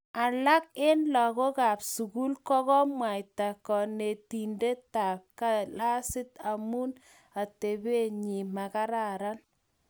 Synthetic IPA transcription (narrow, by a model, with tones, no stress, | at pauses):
a˨la˦k̚e˦nlɔ˨kɔ˦ka˨psu˨ku˦lkɔ˦kɔ˦mwa˨jta˨kɔ˨ne˨ti˨nde˦ta˨p̚ka˦la˦sɪ˦ta˨mu˦n | a˨te˨be˦ɲi˨ma˨ka˦ɾa˨ɾa˦n